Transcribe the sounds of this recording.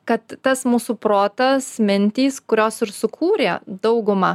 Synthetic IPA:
kɐt̪ːɐsmuːsuːpɾoːt̪ɐsmʲɪnʲt̪ʲiːskʊɾʲoːsɪɾsʊkʰuːɾʲeːd̪ɐʊɡʊmɐ

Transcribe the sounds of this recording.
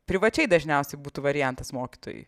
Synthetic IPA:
pʲɾʲɪʋɐt͡ʃʲɛɪd̪ɐʒʲnʲɛʊsʲɛɪbuːt̪uːʋɐɾʲɪjɛnt̪ɐsmoːkʲi̥t̪o̰ːjṵɪ

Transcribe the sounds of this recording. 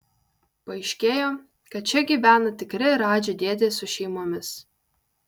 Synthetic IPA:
pɐɪʃʲkʲeːjoː | kɐt̪̚t͡ʃʲɛɡʲiːʋʲæːnɐt̪ʲɪkɾʲɪɾɑːd͡ʒʲed̪ʲeːd̪ʲeːsʊʃʲɛɪmoːmʲɪs

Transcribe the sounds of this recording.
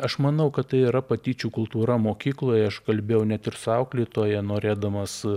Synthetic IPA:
ɐʃmɐnɐʊkɐt̪t̪ɐɪiɾɐpɐt̪ʲiːt͡ʃʲuːkʊlˠt̪uːɾɐmoːkʲiːklˠoːjɛɐʃkɐlʲbʲeːjɛʊnʲɛt̪ɪrsʊɐʊklʲiːt̪oːjɛnoːɾʲeːd̪ɐmɐs

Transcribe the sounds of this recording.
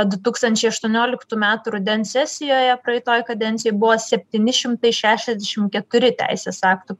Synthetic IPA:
d̪ʊt̪uːkst̪ɐnʲt͡ʃʲɛɪɐʃt̪uɔnʲoːlʲɪkt̪uːmʲæːt̪ʊɾʊd̪ʲɛnsʲɛsʲɪjoːjɛpɾɐɛɪt̪oːjkɐd̪ʲɛnʲt̪sʲɪjɪbʊʋoːsʲɛpʲt̪ʲiːnʲɪʃʲɪmt̪ɐɪʃʲæːʃʲɛzd̪ʲɛʃʲɪmkʲɛt̪ʊɾʲɪt̪ʲæ̰ˑɪsʲeːsɑːkt̪ʊ

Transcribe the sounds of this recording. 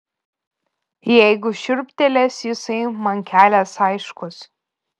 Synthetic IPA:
jɛɪɡʊʃʲʊɾʲpʲt̪ʲɛlʲɛsjɪsɐɪmɐŋʲkʲæːlʲɛsɐɪʃkʊs

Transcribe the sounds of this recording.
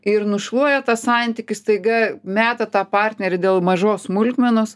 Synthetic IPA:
ɪɾnʊʃlˠuɔjɛt̪ɐssɑnʲt̪ʲikʲɪst̪ɐɪɡɐmʲæːt̪ɐt̪ɑːpɑrʲt̪ʲnʲɛɾʲɪd̪ʲeːlˠmɐʒoːsmʊlʲkmʲɛnoːs

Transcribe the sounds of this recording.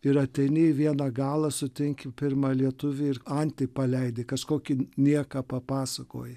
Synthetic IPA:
ɪɾɐt̪ʲɛɪnʲɪʋʲiɛnɑɡɑːlˠɐsʊt̪ʲɪŋʲkʲɪpʲɪrmɑːlʲiɛt̪ʊʋʲɪɪrɐnʲt̪ʲɪpɐlʲɛɪd̪ʲɪkɐʃkoːkʲɪnʲiɛkɐpɐpɑːsɐko̰ːjɛ

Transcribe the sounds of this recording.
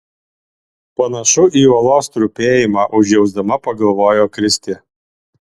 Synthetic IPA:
pɐnɐʃʊʔiːɔlˠoːst̪ɾupʲeːjɪmɑːʔʊʒʲjɛʊzd̪ɐmɐpɐɡɐlˠʋoːjoːkɾʲɪsʲt̪ʲɪ

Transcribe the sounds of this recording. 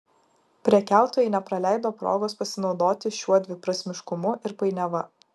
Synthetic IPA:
pʲɾʲɛkʲæˑʊt̪oːjɛɪnʲɛpɾɐlʲæˑɪd̪oːpɾo̰ːɡoːspɐsʲɪnɒʊd̪oːt̪ʲɪʃʲuɔd̪ʲʋʲɪpɾɐsʲmʲɪʃkʊmʊʔɪɾpɐɪnʲɛʋɐ

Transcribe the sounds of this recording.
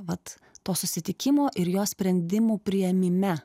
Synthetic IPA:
ʋɐt̪ː | oːsʊsʲɪt̪ʲɪkʲɪmoːʔɪɾjoːsʲpʲɾʲɛnʲd̪ʲɪmuːpʲɾʲɪjɛmʲɪmʲɛ

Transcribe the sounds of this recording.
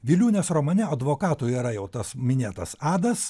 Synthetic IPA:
ʋʲɪlʲuːnʲɛsɾomɐnʲɛɐd̪ʋoːkɑːt̪uiɾɐjɛʊt̪ɐsmʲɪnʲeːt̪ɐsɑːd̪ɐs

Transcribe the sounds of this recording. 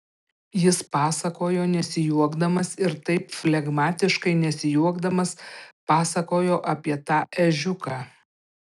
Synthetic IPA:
jɪspɑːsɐkoːjoːnʲɛsʲɪjuɔɡd̪ɐmɐsɪɾt̪ɐɪpfʲlʲɛɡmɑːt̪ʲɪʃkɐɪnʲɛsʲɪjuɔɡd̪ɐmɐspɑːsɐkoːjoːʔɐpʲiɛt̪ɑːʔɛʒʲʊkɑː

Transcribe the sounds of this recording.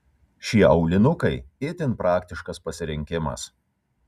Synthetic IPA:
ʃʲiɛʔɒʊlʲɪnʊkɐɪeːt̪ʲɪnpɾʔɑːkʲt̪ʲɪʃkɐspɐsʲɪɾʲɪŋʲkʲɪmɐ̰s

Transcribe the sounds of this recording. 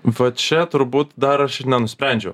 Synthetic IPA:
ʋʲɐt̪t͡ʃʲɛt̪ʊɾbuːt̪d̪ɐɾɐʃɪɾnʲɛnʊsʲpʲɾʲæˑnʲd͡ʒʲɛ

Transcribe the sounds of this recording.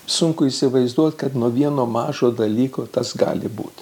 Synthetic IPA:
sʊŋkʊiːsʲɪʋɐɪzd̪uɔt̪ʲkɐt̪nuɔʋʲiɛnoːmɑːʒoːd̪ɐlʲiːkoːt̪ɐsɡɑ̰ːlʲɪbṵːt̪ʲ

